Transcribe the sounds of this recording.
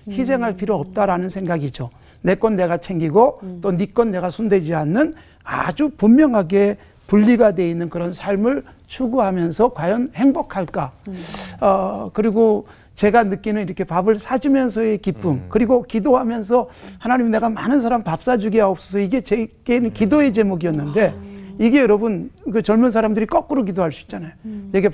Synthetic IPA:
çis̬ʰe̞ŋɦaɭpʰiɾoʌp̚t͈aɾanɯnsʰe̞ŋɡaɡid͡ʑo | ne̞k͈ʌnːe̞ɡat͡ɕʰe̞ŋɡiɡot͈onik͈ʌnːe̞ɡasʰunde̞d͡ʑianːɯn | a̰d͡ʑupummjʌŋɦaɡe̞ | puʎːiɡadwe̞inːɯnkɯɾʌnsʰaɭmɯɭ | t͡ɕʰuɡuɦamjʌnsʰʌkwajʌnhe̞ŋbokʰaɭk͈a | ʌkɯɾiɡo | t͡ɕe̞ɡanɯk͈inɯniɾʌkʰe̞pabɯɭsʰad͡ʑimjʌns̬ʰʌe̞kip͈umkɯɾiɡokidoɦamjʌns̬ʰʌhanaɲimine̞ɡamanɯns̬ʰaɾampap̚s͈ad͡ʑuɡiaɦop̚s͈ʌs̬ʰʌiɡe̞t͡ɕeɡekidoe̞t͡ɕe̞muɡiʌnːɯnde̞iɡe̞jʌɾʌbɯnkɯt͡ɕʌɭmuns̬ʰaɾamdɯɾik͈ʌk͈ɯɾok̬idoɦaɭs͈uit͡ɕ͈anajone̞ɡe

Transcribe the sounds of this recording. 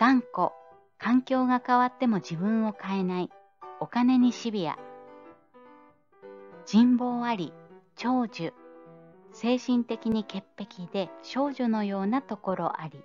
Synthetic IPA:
d̪̥ãŋko̞ | kʰãŋkʲo̞ːɡakaβat̪ːe̞mo̞d͡ʑibɯ̟̃ɰ̃o̞kae̞nai | o̞kane̞ɲ̟iɕibʲia̰ | d͡ʑĩmbo̞ːaɾʲit͡ɕo̞ːd͡ʑɨ | se̞ːɕĩnt̪e̞kʲiɲ̟ike̞pːe̞kʲid̪e̞t͡ɕo̞ːʑɨno̞jo̞ːnat̪o̞ko̞ɾo̞ʔaɾʲi

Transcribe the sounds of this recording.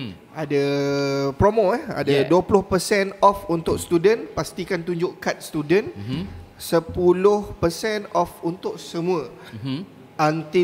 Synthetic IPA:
adə | pɾomoɛha̰daduəpulʊhpəsɛnɔfunt̪ʊʔst̪udənpast̪ikant̪uɲd͡ʒʊʔkat̪̚st̪udən | səpulʊhpəsɛnɔfunt̪ʊʔ̚səmũə | ʔant̪i

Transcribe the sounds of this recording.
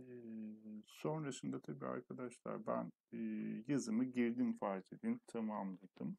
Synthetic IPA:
ɛ | so̞nɾasɯnd̪at̪ʰabiːa̰ɾkʰad̪aʃlˠa̰ɾbæ̰nː | jazɯmɯɟiɾd̪imfat̪ʰed̪int̪ʰamamlˠad̪̥ɯm

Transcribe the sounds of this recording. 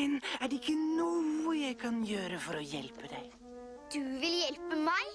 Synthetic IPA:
ɪnæɖɛɪkːənuəjæɪkʰɑnjøːɾəfɔɾɔjɛ̰lpəd̪æɪ | d̪̥ʉʋɪljɛlpəmæɪ

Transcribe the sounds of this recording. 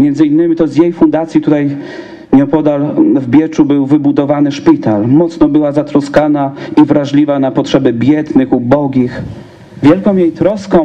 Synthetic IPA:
mʲjɛnd̪zɘinːɘmʲit̪ɔzjejfund̪at̪sʲjit̪ut̪aj | ɲɔ̃wpɔd̪alvbʲjɛt͡ʂubɘwvɘbud̪ɔvanɘʂpʲit̪almɔt̪snɔbɘwazat̪ɾɔskanaivɾaʐlʲivanapɔtʂɛbɘbʲjɛd̪nɘxubɔɡʲix | vʲjɛlkɔ̃w̃jejt̪ɾɔskɔ̃w̃

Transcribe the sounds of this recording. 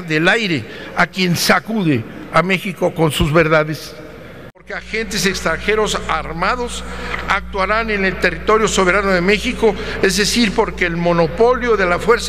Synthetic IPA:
ðe̞lajɾe̞akje̞nsakuðe̞ame̞xiko̞ko̞nsuzβe̞ɾðaðe̞s | poɾkeaxe̞nt̪e̞sekst̪ɾaŋxe̞ɾo̞saɾmaðo̞sak̚t̪waɾane̞ne̞lt̪e̞rit̪o̞ɾjo̞so̞βe̞ɾano̞ðe̞me̞xiko̞ | e̞zðe̞siɾpo̞ɾkeːlmo̞no̞po̞ljo̞ðe̞lafwe̞ɾs

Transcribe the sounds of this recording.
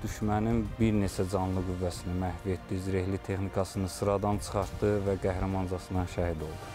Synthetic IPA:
d̪̥yʃmæninbiɾne̞t͡ʃʰæd͡ʒɑnlˠɯɡuvːæsinimæhvie̞t̪d̪iziɾe̞hlit̪ʰe̞xnikʰɑsɯnɯsɯɾɑd̪ɑnt͡ʃʰɯ̥χɑɾt̪d̪ɯvæɡæhɾæmɑnzɑsɯnɑʃæhid̪o̞lˠd̪u

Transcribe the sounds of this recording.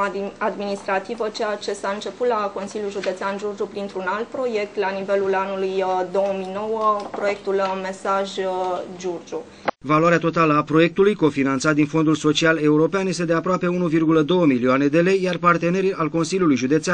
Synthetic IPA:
ad̪minist̪ɾat̪ivət͡ʃejat͡ʃe̞saɨnt͡ʃe̞put̪lako̞nsilʲjulʒud̪e̞t̪seanʒurd͡ʒupɾint̪ɾunalt̪̚pɾo̞je̞k̚t̪lanive̞lulanulujd̪o̞wəmino̞wəpɾo̞je̞k̚t̪ulme̞saʒd͡ʒurd͡ʒu | valwaɾeat̪o̞t̪aləapɾo̞je̞k̚t̪ulujko̞finant̪sat̪̚d̪info̞nd̪ulso̞t͡ʃiale̞uɾo̞peanjest̪e̞d̪e̞apɾoape̞unuvirɡuləd̪o̞wəmilioane̞d̪e̞le̞jjarpart̪e̞ne̞ɾialko̞nsiljulujʒud̪e̞t̪sea

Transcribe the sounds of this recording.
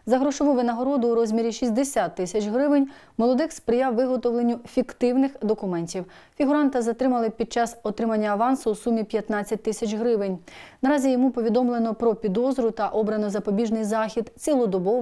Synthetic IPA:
zɐɦɾɔʃɔʋɔʋɪnɐɦɔɾɔd̪ʊːɾɔzʲmʲiɾʲiʃisʲd̪esʲat̪ːɪsʲɐt͡ʃɦɾɪʋɪnʲ | mɔlˠɔd̪ɪxspɾɪjɑwːɪɦɔt̪ɔʋlˠenʲːʊfʲikt̪ɪwnɪxd̪ɔkʊmɛnʲtʲiw | fʲiɦʊɾɑnt̪ɐzɐt̪ɾɪmɐlˠɪpʲid̪̚t͡ʃɑsɔt̪ɾɪmɐnʲːɐːʋɑnsʊːsumʲipʲjɐt̪nɑt͡sʲːɐt̚ʲt̪ɪsʲɐt͡ʃɦɾɪʋɪnʲnɐɾɑzʲijɔmupɔʋʲid̪ɔmlˠenɔpɾɔpʲid̪ɔzɾʊt̪ɐʔɔbɾɐnʊzɐpɔbʲiʒnɪjzɑxʲid̪t͡sʲilˠʊd̪ɔbɔ

